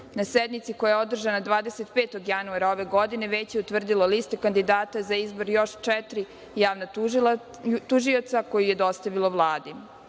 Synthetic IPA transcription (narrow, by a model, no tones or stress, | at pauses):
nased̪nit̪sikojajeo̞d̪r̩ʒanad̪ʋaːd̪eset̪peːt̪o̞ɡjanuaɾao̞ʋe̞ɡo̞d̪ine̞ʋet͡ɕjeut̪ʋr̩d̪ilˠolist̪ekand̪id̪aːt̪azaizbo̞ɾjo̞ʃt͡ʃɛt̪ɾi | jaːʋna | t̪uʒio̞t̪sako̞jujed̪o̞st̪aʋilˠoʋlˠaːd̪i